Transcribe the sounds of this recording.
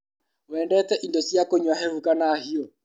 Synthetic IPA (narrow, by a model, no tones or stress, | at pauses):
ɛndɛtɛʔindosjakoɲwaɦeɾukanahiɔ